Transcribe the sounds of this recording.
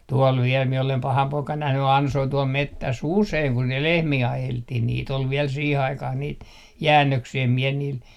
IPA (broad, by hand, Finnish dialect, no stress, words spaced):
tuol ʋiel mie olem pɑhɑm poikɑn næhny ɑnsoi tuol metːæsː useiŋ kun ne lehmiː ɑjeltːih niːt ol ʋiɛl siːh ɑikɑh niːt jæːnːøksiː em mie niːl